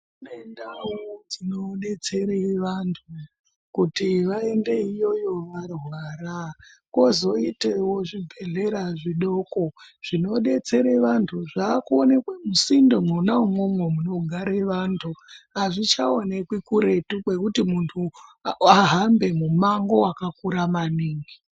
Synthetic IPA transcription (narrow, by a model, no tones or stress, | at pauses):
unendawod͡zino̞ɗe̞t͡se̞ɾeʋantʰu | kutiʋae̞nde̞ijo̞jo̞ʋarɦwaɾa | ko̞zo̞itewoʐibʱe̞ɮe̞ɾaʐiɗo̞koʐ̥ino̞ɗe̞t͡se̞ɾeʋantʰuʐaːkuone̞kwemusindo̞mwonaumwo̞mwemuno̞ɡʱaɾeʋantʰuɦaʐit͡ʃao̞nekwikuɾe̞tukwe̞kutimuntʰuaɦambe̞mumaŋɡo̞wakakuɾamaniːŋɡi